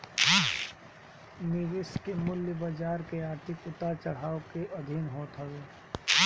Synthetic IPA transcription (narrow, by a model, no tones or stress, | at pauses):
nɪʋɪskemʊljəbɐd͡ʒaːɾkeaːɾt̪ʰɪkʊt̪aɾt͡ʃɐɽ̤aːokeʔɐd̪ʱinɦoːt̪ɦɐʋeː